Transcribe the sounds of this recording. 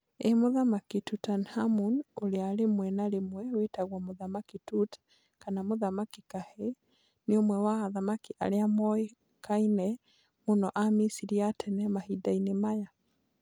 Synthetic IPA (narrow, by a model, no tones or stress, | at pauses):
emoðamakitutanhamunoɾeaɾemwɛnaɾemwɛwetaɣwamoðamakitut | kanamoðamakikahe | neomwɛwaːðamakiʔaɾeamɔe | kainɛ | monɔʔamisiɾiatʰɛnɛmahidainemaja